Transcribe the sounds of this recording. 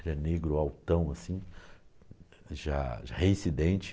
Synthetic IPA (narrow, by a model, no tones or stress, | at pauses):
ʒɛneɡɾʊawt̪ɐ̃w̃asĩ | ʒa̰ʒaheĩsid̪ẽnt͡ʃɪ